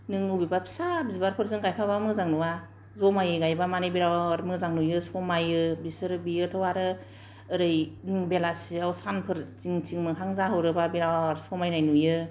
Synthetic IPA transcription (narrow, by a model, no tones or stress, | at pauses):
nɯŋubibapʰi̥sabizibaɾpʰɯɾzɯŋɡajpʰaβamɯzaŋnuwa | zɔmajɯɡajbamanebiɾawɾmɯzaŋnujɯsɔmajɯbisɯɾɯbijɯtʰɯwaɾɯː | ɾɯjbelasiawsanpʰɯɾt͡ʃiŋt͡ʃiŋmɯɦaŋzaɦɯwɾɯbabiɾawɾsɔmajnajnujɯ